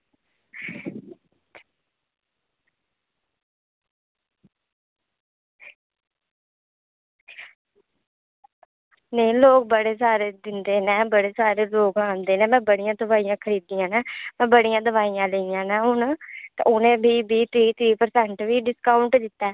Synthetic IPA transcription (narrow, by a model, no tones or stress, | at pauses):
neĩloːk̚bəɽeːsaːɾeːd̪ɪnd̪eːnɛːbəɽeːsaːɾeːloːkãːnd̪eːnɛ̃ːmɛ̃ːbəɽijãːd̪əʋaːijãːkʰəɾiːd̪ijãːnɛːmɛ̃ːbəɽijãːd̪əʋaːijãːləijãːnaːɦʊnt̪ːʊnẽːbʱiːbʱiːt̪ʰɾiːt̪ʰɾiːpəɾsɛːɳʈʋiːɖɪskaːʊɳʈd̪ɪt̪ːɛː